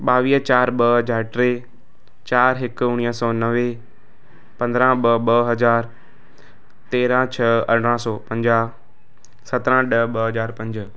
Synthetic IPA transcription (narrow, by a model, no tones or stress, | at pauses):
ɓaːʋiːt͡ɕaːɾɓɐd͡ʑaːʈɾeː | t͡ɕaːɾɦɪkʊɽ̃iːsɔːnɐʋe | pɐ̃nd̪ɾãɓɐɓɐɦɐzaːɾ | t̪eːɾãt͡ɕʰɐɐɽ̤ɽãːsɔːpɐ̃ɲd͡ʑa | sɐt̪ɾãɗəɓɐɦɐzaːɾpɐ̃ɲd͡ʑ